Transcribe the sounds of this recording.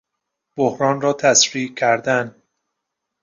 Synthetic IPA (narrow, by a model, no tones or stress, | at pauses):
b̥ohɾɒːnrɒːt̪ʰæsɾiːcʰæɾd̪æn